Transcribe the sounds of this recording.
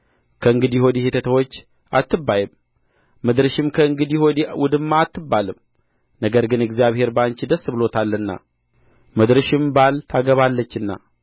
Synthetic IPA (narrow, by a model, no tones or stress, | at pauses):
kʰəɨŋɡɨd̪iho̞d̪ihet̪ʰət̪ʰəwot͡ʃː | ʔat̪ːɨbːajɨmː | ɨd̪ɾɨʃɪmkʰəɨŋɡɨd̪ihod̪iwʊd̪ɨmːaːt̪ːɨbːalɨm | nəɡəɾɡɨnɨɡzjaβhe̞ɾbəant͡ʃid̪əsːɨbɨlo̞t̪ʰalːɨnːa̰ | mɨd̪ɾɨʃɪmbalt̪ʰaɡəβalːət͡ʃːɨnːa̰